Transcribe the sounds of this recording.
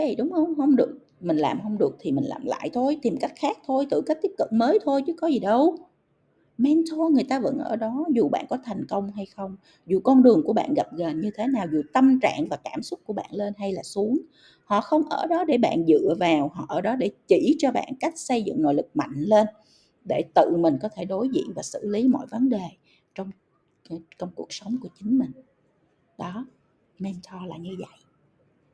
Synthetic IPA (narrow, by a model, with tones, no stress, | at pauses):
jɗʊ˨˦wŋ͡mhə˧wŋ͡mhə˧wŋ͡mɗɨ˨˩ək̚ | mï˨˩ŋ̟laː˨˩mɦə˧wŋ͡mɗɨ˨˩ək̚t̪ʰi˨˩mï̟˨˩la̰ː˨˩mla̰ː˧˨jt̪ʰo˧jt̪i˨˩mka˦˥jk̚xaː˦˥k̚t̪ʰo˧jt̪ɨ̰˧˨kaː˦˥k̚t̪i˦˥p̚kɨ̰˧˩məː˨˦jt̪ʰo˧jt͡ɕɨ˨˦kɔ˨˦zi˨˩ɗə˧w | mɛ˧nt̪ʰo˧jŋɨ˨˩əjt̪aː˧və̰˧˥nʔəː˧˩ɗɔ˨˦zu˨˩ɓa̰ː˧˨nkɔ˨˦t̪ʰa˨˩jŋ̟kə˧wŋ͡mɦa˧jxə˧wŋ͡m | zu˨˩kɔ˧nɗɨ˨˩əŋku˧˩əɓa̰ː˧˨nɣa˨˩p̚ɣə˨˩nɲɨ˧t̪ʰe˨˦naː˨˩wzu˨˩t̪ə˧mt͡ɕa̰ː˧˨ŋvaː˨˩kaː˧˩msʊ˦˥t̚ku˧˩əɓa̰ː˧˨nle˧nɦa˧jlaː˨˩su˨˦əŋ | hɔ̰˧˨xə˧wŋ͡mʔəː˧˩ɗɔ˨˦ɗe˧˩ɓa̰ː˧˨nzɨ̰˧˨əvaː˨˩whɔ̰˧˩ʔəː˧˩ɗɔ˨˦ɗe˧˩t͡ɕi˧˩t͡ɕɔ˧ɓa̰ː˧˨nka˦˥jk̚sə˧jzɨ̰˧˨ŋno̰˧˨jlɨ˨˩k̚ma̰˧˨jŋ̟le˧n | ɗe˧˩t̪ɨ̰˧˨mï˨˩ŋ̟kɔ˨˦t̪ʰe˧˩ɗo˨˦jzḭ˧˨ənvaː˨˩sɨ̰˧˨li˨˦mɔ̰˧˨jvə˨˦nɗe˨˩ | t͡ɕɔ˧wŋ͡m | t͡ɕɔ˧wŋ͡mku˨˩ək̚sə˨˦wŋ͡mku˧˩ət͡ɕï˨˦ŋ̟mï˨˩ŋ̟ | ɗɔ˨˦ | nɛ˧mt͡ɕʰɔ˧laː˨˩ɲɨ˧və̰˧˨jʔ